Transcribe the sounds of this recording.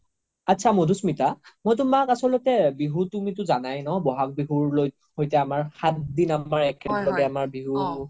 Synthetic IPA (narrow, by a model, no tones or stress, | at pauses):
atːsʰamodusmitamojtʊmakasɔlotɛbiɦutumitʊzanajnɔbɔɦak̚biɦuɹloj | hojtɛamaɹxat̚dinamaɹɛkʰɛlɔɡɛamaɹbiɦu